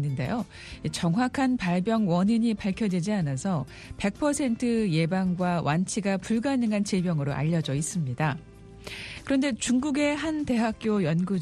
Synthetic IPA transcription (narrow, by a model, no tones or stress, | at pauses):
nːɯnde̞̰jo | it͡ɕʌŋɦwakʰanpaɭbjʌŋwʌɲiɲipaɭkʰjʌdwed͡ʑianasʰʌ | pe̞k̚pʰʌsʰe̞ntʰɯje̞baŋɡwawʔant͡ɕʰiɡapuɭɡanɯŋɦant͡ɕebjʌŋɯɾoʔa̰ʎːʌd͡ʑʌis͈ɯmɲida | kɯɾʌnde̞t͡ɕuŋɡuɡe̞ɦante̞ɦak̚k͈jojʌnɡu